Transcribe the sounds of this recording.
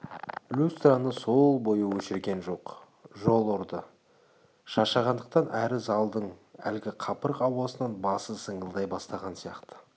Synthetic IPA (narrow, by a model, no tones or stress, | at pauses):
lʲust̪ranəso̞lˠbo̞jəwɵʃɪɾɡʲe̞nʒo̞q | ʒo̞lˠoɾd̪ə | ʃɑʃɑʁɑnd̪əq̚t̪ɑnʔæɾɪzɑlˠd̪əɴæ̰lɡʲɪqʰɑpəɾqɑwɑsənɑnbɑsəsəɴəlˠd̪ɑjbɑst̪ɑʁɑnsijɑqt̪ə̥